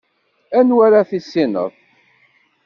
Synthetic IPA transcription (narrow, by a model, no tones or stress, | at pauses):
ænwaɾaθisːinə̰ðˤ